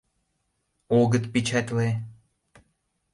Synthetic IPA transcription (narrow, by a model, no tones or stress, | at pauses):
oɡə̆t̪pit͡ʃʰæt̪ʲle